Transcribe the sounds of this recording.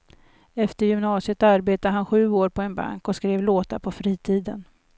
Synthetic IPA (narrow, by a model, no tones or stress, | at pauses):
ɛft̪əɾjʏmnɑːsɪət̪aɾbeːt̪ad̪əɦanɧʉ̟ːoːɾpʰɔɛnba̰ŋkɔskɾeːvloːt̪apʰɔfɾiːt̪ʰiːd̪ən